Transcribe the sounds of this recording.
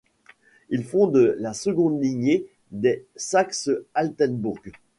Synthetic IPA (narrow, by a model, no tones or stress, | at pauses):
ilfɔ̃d̪əlasəɡɔ̃d̪liɲe | d̪ɛsaksəalt̪ɛnbuʁɡ